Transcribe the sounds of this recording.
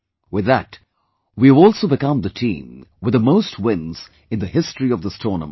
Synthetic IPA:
wɪðət | wiəvɔlˠsoʊbɨkʌ̃mðətʰḭ̃ːmwɨðəmoʊst̚ʰwɪ̃nz̥ | ɨ̃nðɨhɪstɹ̥iʌvðəstɔnə̰̃m

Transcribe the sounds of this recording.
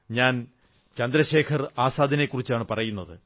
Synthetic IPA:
ɲaːn | t͡ɕɐnd̪ɾɐɕe̞ːkʰɐraːsaːd̪ʱɐnekːurit͡ɕːaːɳɨpɐrɐjunːɐðɨ

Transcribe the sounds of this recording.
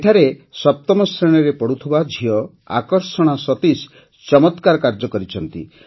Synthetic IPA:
ʈʰaɾesɔp̚t̪ɔmɔsɾeɽ̃ɔɾepɔɽut̪ʰibad͡ʒʱiɔ | a̰kɔɾsɔɽ̃asɔt̪is | t͡ʃɔmɔt̪kaɾɔkaɾd͡ʒɔkɔɾit͡ʃʰɔnt̪ḭ

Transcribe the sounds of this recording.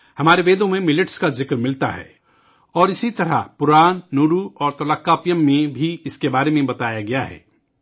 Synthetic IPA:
hɐmaːɾeʋeːd̪õmẽmɪlɪʈskazɪkɾmɪlt̪a̰ɦɛ̰ː | ɔːɾɪsit̪ɐɾa̰pʊɾaːnːuːɾuɔːɾt̪ɐlakːaːpjəmːẽbʱiɪskebaːɾemẽbɐt̪aːjaɡɐjaɦɛ̰ː

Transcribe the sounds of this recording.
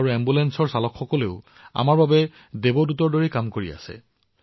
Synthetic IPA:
ɹuɛmbulɛnsɔɹsalɔkxɔkɔleʊ | a̰maɹbabɛ | debodutɔɹdoɹikamkoɹḭa̰sɛ̰

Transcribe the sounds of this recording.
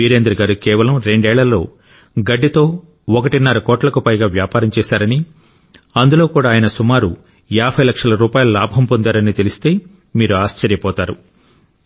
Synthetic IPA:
iːɾeːnd̪ɾɐɡaːɾukɛːʋɐlɐmɾe̞ɳɖɛːɭːɐlːo̞ː | ɡɐɖːit̪o̞ː | ɔkɐʈinːɐɾɐkɔːʈlɐkupɐjɡaːʋjaːpaːɾɐmt͡ʃɛːsaːɾɐni | ɐnd̪ulo̞ːkuːɽaːjɐnɐsumaːɾu | jaːbʱɐjlɐkʂɐlɐɾuːpaːjɐlɐlaːbʱɐmpond̪aːɾɐnit̪elist̪e̞ː | miːɾuaːst͡ʃɐɾjɐpɔːt̪aːɾu

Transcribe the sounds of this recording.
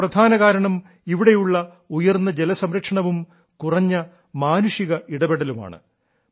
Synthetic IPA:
prɐd̪ʱaːnɐɣaːɾɐɳɐm | iʋiɽejuɭːɐ | ujɐrnːɐd͡ʑelɐsɐmɾɐkʂɐɳɐʋum | kurɐɲːɐ | maːnuʂiɣɐʔiɽɐbeɽɐluma̰ːɳɨ̰

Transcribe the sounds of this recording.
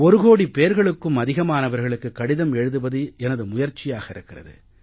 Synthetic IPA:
ɔɾɯɣoːɽipeːɾɣɐɭɯkːɯmɐðɪɣɐmaːnɐʋɐɾɣɐɭɯkːɯkːɐɽɪðɐmɛɻɯðɯbɐðɯɛnɐðɯmʊjɐɾt͡ʃːɪjaːɣɐɪɾɯkːɪrɐ̰ðɯ̰

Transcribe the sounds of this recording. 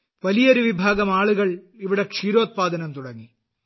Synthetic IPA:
ʋɐlijɐɾuʋibʱaːɡɐmaːɭuɣɐɭiʋiɽekʂiːɾo̞ːt̪̚paːd̪ɐnɐmt̪uɽɐŋːi

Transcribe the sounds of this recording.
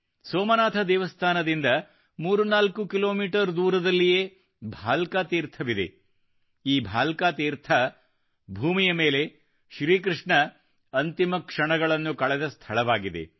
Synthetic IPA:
soːmɐnaːt̪ʰɐd̪ɛːʋɐst̪ʰaːnɐd̪ind̪ɐ | muːɾunaːlkukiloːmiːʈɐɾd̪uːɾɐd̪ɐlːijeː | bʱaːlkaːt̪iːɾt̪ʰɐʋid̪ḛ | iːbʱaːlkaːt̪iːɾt̪ʰɐ | bʱuːmijɐme̞ːle̞ | ʃɾiːkɾɨʂɳɐ | ɐnt̪imɐkʂɐɳɐɡɐɭɐnːukɐɭɛd̪ɐst̪ʰɐɭɐʋaːɡid̪e̞̰

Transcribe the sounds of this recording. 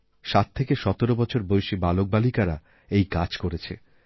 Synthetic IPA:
ʃat̪ʰːekeʃɔt̪oɾobɔt͡ɕʰoɾbojʃibalok̚balikaɾa | ejkad͡ʑkoɾet͡ɕʰḛ

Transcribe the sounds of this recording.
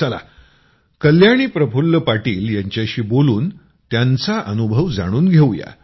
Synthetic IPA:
əla̰ | kəljaɽ̃iːpɾəfulːəpaʈiːljaɲt͡ɕjaɕiːboluːn | t̪jant͡saʔənubʱəʋd͡za̰ɽ̃uːnɡʱeʋja̰

